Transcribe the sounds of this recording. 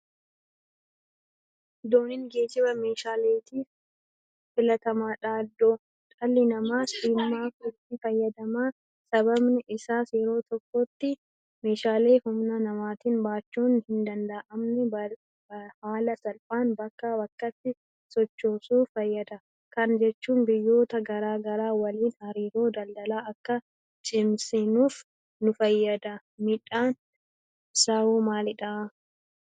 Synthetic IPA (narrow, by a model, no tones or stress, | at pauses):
d̪oːnɪŋɡe̞ːd͡ʒɪbɐme̞ːʃaːleːt̪iː | fɪlɐt̪ɐmaːᶑaːd̪ːo̞ː | t̪ʼɐlːɪnɐmaːsiːmːaːkʊtiːfɐjːɐd̪ɐmaː | sɐbɐbnɪʔɪsaːsjɛɾo̞ːt̪ɔkːot̪ːɪ | me̞ːʃaːle̞ːhʊmnɐnɐmaːt̪iːnbaːt͡ʃːuːnhɪnd̪ɐnd̪aʔɐmnɛbɐ | haːlɐsɐlpʼaːnbɐkːabɐkːɐt̪ːɪ | sɔt͡ʃːo̞ːsuːfɐjːɐd̪ɐ | kɐnd͡ʒɛt͡ʃːuːnbɪjːo̞ːt̪ɐɡɐɾaːɡɐɾaːwɐliːnhɐɾiːɾo̞ːd̪ɐld̪ɐlaːɐkːɐ | t͡ʃʼɪmsɪnuːf | nʊfɐjːɐd̪ɐ | mɪᶑaːn | sɐwuːmaːlɪᶑa